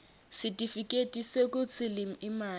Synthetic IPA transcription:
sɪtʼifikʼetʼisekʼʊt͡sʼɪlɪm̩imaː

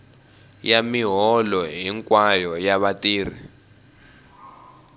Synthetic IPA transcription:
jamiɦɔlɔɦiŋkʼwajɔjaβatʼiːr̤i

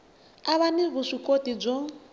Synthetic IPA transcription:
aβaniβuʂikʼotib͡ʐʷɔ

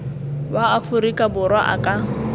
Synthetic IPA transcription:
waːfʊɾikʼabʊrwaʔa̰kʼa

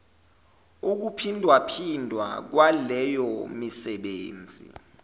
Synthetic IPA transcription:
uk̬upʰindʱwapʰindʱwa̰k̬walɛjɔmisɛɓeːnd͡zʱḭ

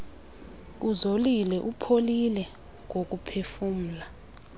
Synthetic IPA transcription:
uzolilɛʔupʰolilɛ | ŋok̬upʰefum̩la

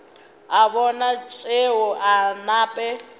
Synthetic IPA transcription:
aβɔnat͡ʃʼeɦʊʔanaːpʼɛ

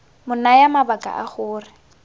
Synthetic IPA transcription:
mʊnajamabakʼa̰ʔaχʊːrɪ

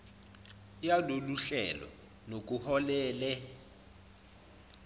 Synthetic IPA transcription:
jaloluɬɛ̰lɔ̰ | nok̬ʼuhɔlɛːlɛ

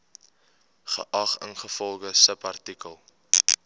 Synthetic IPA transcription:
χə̰ʔɐχənχəfɔlˠɡəsəpɐrtikəlˠ

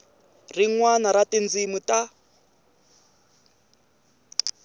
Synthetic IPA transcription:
riŋwanaɾatind͡zimutʼa

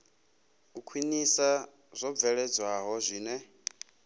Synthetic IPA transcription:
kukʰwinisa | z̥ʷɔb̪vɛɺɛd͡zwaɦɔzʷiːnɛ

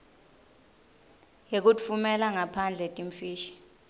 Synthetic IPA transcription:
jek̬utʼfumɛlaŋapʰand͡ɮʱɛtʼiɱfiːʃi̥

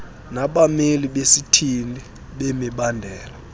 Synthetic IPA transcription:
naɓameliɓesitʰini | ɓemiɓandʱɛːla

